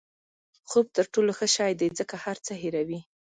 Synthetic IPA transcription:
xob̚t̪əɾʈoloxəʃɑjd̪ed͡zəkahaɾt͡səɦiɾawi

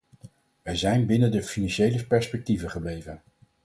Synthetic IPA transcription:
ʋɛjzɛjnbɪnəndəfinɑnʃejləpɛɹspɛk̚tivəχəblejvən

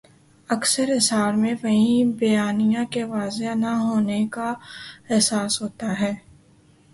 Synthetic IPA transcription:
ɐksəɾɦɪsɦaːɾmẽʋɐɦĩbɐjaːnijãkeʋaːzenɐɦoːnekaɛɦsaːsɦoːt̪aɦɛː

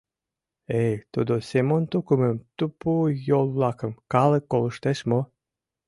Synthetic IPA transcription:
ejt̪ud̪osʲemont̪ukuməmt̪upujolˠːɑkə̆mkɑlekːolˠəʃt̪eʃmo

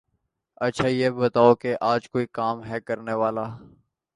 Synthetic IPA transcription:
ɐtːʃʰaːjeːbɐt̪aːokeʔaːd͡ʒkoːikaːmɦɛkɐɾneʋaːlaː

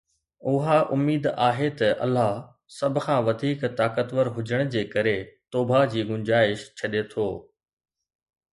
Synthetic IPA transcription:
ʊɦaʔʊmːiːd̪aːɦet̪ɐʔɐ̰lːaɦ | sɐbʱʊkʰãːʋɐd̪ʱiːkt̪aːkət̪ʋəɾɦʊd͡ʑəɽ̃d͡ʑeːkɐɾet̪oːbʱad͡ʑiːɡʊɲd͡ʑaːɪʃt͡ɕʰɐɗet̪ʰoː

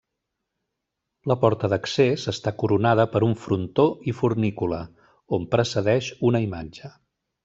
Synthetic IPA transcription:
ləpɔɾt̪əðəksezəst̪akuɾunaðəpəɾuɱfɾunt̪oifurnikulə | ompɾəsəðɛʃunəimad͡ʒə

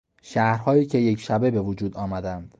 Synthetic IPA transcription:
ʃæhɾhɒːjiːcʲʰe̞je̞cʰʃæbe̞be̞vod͡ʒuːd̪ɒːmæd̪ænd̪̥

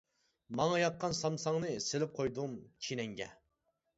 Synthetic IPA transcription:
mɑŋɑjɑqːɑnsɑmsɑŋnɨselɪp̚qʰojd̪umt͡ʃʰinɛŋɡʲɛ̰

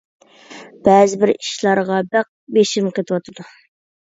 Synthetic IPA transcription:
b̥ɛːzɪbɪɾiʃlˠɑɾʁɑbæq̚beʃimqʰet̪ʰɨwɑt̪ʰɨd̪u

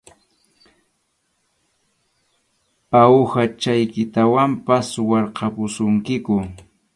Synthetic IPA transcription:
pawxat͡ʃajkɪt̪awampaswɑɾqɑpʊsʊŋkɪkʊ

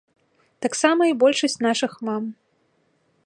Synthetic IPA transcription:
t̪aksamɐibɔlʲʂɐsʲt͡sʲnaʂɨxmam

